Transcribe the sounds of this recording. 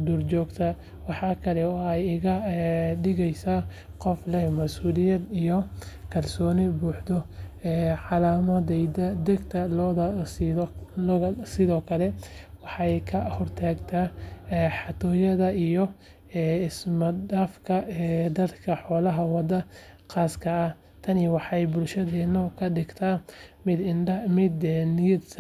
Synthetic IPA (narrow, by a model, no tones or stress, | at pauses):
d̪urt͡ʃɔːɡt̪ʰɐ | wɑħɑːkʰɐlɛɔːɛjɪɣɐɖɪɣɛjsaː | qɔflɛhmɐsuːlɪjɐd̪ijɔkʰɐrsɔːnɪbuːħd̪ɔɛːʕɑlaːmɐd̪ɛjd̪ɐd̪ɛɡt̪ʰɐlɔslsɪðɔːkʰɐlɛwɑħɑɛjkʰɐhɔrt̪ʰaːɡt̪ʰaːɛħɑt̪ʰɔːjɐðɐijɔ | ɪsmɐd̪aːfkʰɐɛd̪ɐd̪kʰɐħɔːlɐɦɐwɑd̪ɐ | qaːskʰɐː | t̪ʰɐniwɑħɑɛjbʊlʃɐðɛːnɔkʰɐɖɪɡt̪ʰamɪd̪ɪnmɪd̪nɪjɐd̪s